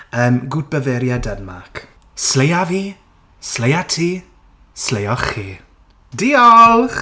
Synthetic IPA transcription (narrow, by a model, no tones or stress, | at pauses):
əːmɡʊd̚bəvɛɾjadədmakʰ | slejaviː | slejatʰiː | slejɔχiː | diɔlχ